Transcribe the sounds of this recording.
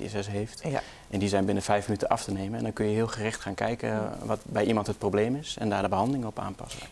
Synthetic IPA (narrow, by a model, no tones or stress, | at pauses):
ɛ̰sɛsɦeːft | ʔɛndizɛjnbɪnəfɛjfmənytəʔɑftəneːmənɛndɔnkønjəɦiəlˠxərɪxtxaːnkɛjkə̰ʋɔtbɛjʔimɑntɦət̚prowbleːmɪsɛ̰ndaːrdəbəɦɑndəlɪŋəɔpa̰ːnpɑ̰sə